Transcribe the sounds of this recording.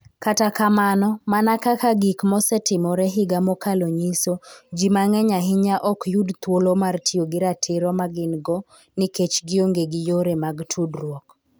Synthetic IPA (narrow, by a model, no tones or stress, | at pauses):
katakamanɔmanakakaɡikmɔsɛtɪmɔɾɛɦɪɡamɔkaloɲisod͡ʒimaŋɛɲaɦɪɲaʔɔkjudt̪wolomartʰioɡɪɾatʰɪɾɔmaɡɪnɡɔ | nɪket͡ʃɡɪoŋɡeɡɪjoɾemaɡtʰudɾwɔk